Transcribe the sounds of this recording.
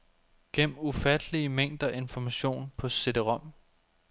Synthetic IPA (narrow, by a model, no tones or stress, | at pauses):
ɡ̥em̰̩ufæd̥əliəmeŋ̰d̥ɐʔe̝nfɒmæɕo̝̰ːnpʰɒ̽se̝d̥əʁɒ̽m̰